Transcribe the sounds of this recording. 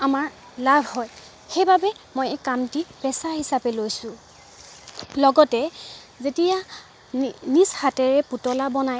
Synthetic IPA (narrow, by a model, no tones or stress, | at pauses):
amaɹ | labʱhɔj | xejbabɛmojɛkːamtipɛsahisapɛlojsʊ | lɔɡɔtɛ | zetija | nishatɛɹɛputɔlabɔnaj